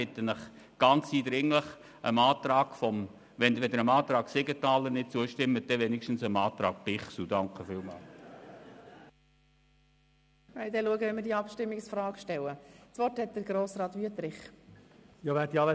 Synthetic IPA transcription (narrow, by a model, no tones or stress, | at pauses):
ɪt̪ːənəχ | ɡ̥ɑnt͡siːd̥̪ɾɪŋləχ | əmɑːt̪ɾɑːɡ̥fɔm | ʋɛnʋɛd̪əɾəmɑːt̪ɾɑːkseɡətɑːlənɪt̚t͡suəʃtɪmːəd̥̪ɛʋɛnɪkʃtən̩səmɑːt̪ɾɑːk̚b̥ɪχsudɑŋkχəfɪːlmɑ̰ːl | ɛɪd̪ɛluəɡəʋɛnmɪɾdiəɑpʃtɪmːɪksfrɑːɡʃtɛləst͡sʋɔɾthɛt̚d̪əɾɡɾoːsɾɑːt̪ʋyət̪ɾɪχ | jɑʋæːdiɑlə